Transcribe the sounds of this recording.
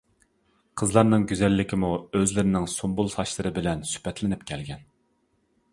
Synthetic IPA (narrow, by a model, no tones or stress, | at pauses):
qʰəzlˠɑɾnɨŋɡʲyzɛlːɪkʲʰimuøzlɪɾɪnɪŋsombulˠsɑʃlˠɨɾɨbɪlɛnsy̥pɛt̪lɪnɪpkʲʰɛlɡʲɛn